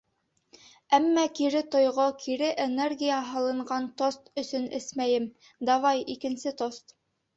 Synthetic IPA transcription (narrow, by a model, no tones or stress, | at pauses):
æmːækiɾɘt̪ŏjʁokʰiɾɘʔenerɡʲijaɦɑlˠɤ̆ɴɢɑnt̪ost̪ɵ̆sɵnɘ̰smæjɘm | d̪ɑvɑjikɘ̆nsɘt̪ost̪